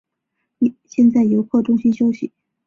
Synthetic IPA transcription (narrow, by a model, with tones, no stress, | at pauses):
ɕjɛ˥˧nt͡sa˥˩ɪjo˧˥ʊkʰɔ˥˩ʈ͡ʂʊ˥ŋɕi˥nɕjo˥ʊɕḭ˨˩˦